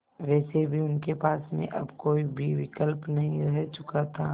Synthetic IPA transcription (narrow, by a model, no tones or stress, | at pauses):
ʋɛːsebʱiʊnkepaːsmḛ̃ʔɐ̰bkoːibʱiʋɪkəlpnɐɦĩɾɛɦt͡ʃʊkat̪ʰaː